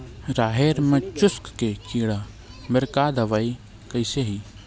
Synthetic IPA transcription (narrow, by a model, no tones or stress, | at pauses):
ɾaːɦeːɾmẽt͡ʃʊskkekiːɽa | məɾkaːd̪ʱɐʋaːi | kəɪseɦiː